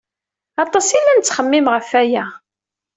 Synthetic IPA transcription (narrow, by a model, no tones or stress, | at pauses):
ɑt̪ˤɑsilːænt͡sːχəmːɪmʁəfæjæ